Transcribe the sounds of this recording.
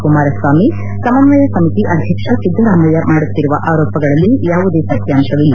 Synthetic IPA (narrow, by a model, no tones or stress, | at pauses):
kumaːɾɐsʋaːmi | sɐmɐnʋɐjɐsɐmit̪iʔɐd̪ʱjɐkʂɐt͡ʃid̪ɐɾaːmɐjɐmaːɽut̪ːiɾuʋɐʔaːɾɔːpɐɡɐɭɐlːijaːʋud̪e̞ːsɐkjaːmʃɐʋilːɐ